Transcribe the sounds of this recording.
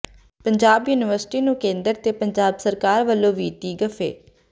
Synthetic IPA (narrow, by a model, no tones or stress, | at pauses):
pəɲd͡ʒaːbjuːnɪʋəɾsʈiːnũːkẽːnd̪əɾt̪eːpəɲd͡ʒaːbsəɾkaːɾʋəlːõːʋiːt̪iːɡəfʰḛː